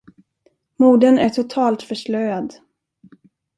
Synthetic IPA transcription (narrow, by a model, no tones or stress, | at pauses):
muːɖənæʈʰʊt̪ʰɑːlt̪fœʂlœjad̪